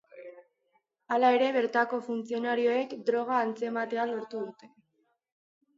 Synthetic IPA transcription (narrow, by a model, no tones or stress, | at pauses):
alae̞ɾe̞βe̞ɾt̪ako̞funt͡sio̞naɾio̞e̞kd̪ɾo̞ɣ̞aːnt͡se̞mat̪e̞aloɾt̪uðut̪e̞